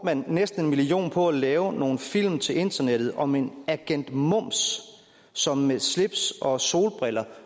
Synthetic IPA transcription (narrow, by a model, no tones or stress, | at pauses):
mænːesd̥n̩e̝nmilio̝̰ːnpʰɒ̽ælɛːʊno̝ːn̩fil̰mt͡sʰe̝le̝nd̥ɐneɾ̥ð̩ˠɒ̽me̝næɡ̥en̰d̥mɔ̽m̰sː | ɒ̽mːesle̝b̥sɒ̽so̝̰ːlb̥ʁelɐ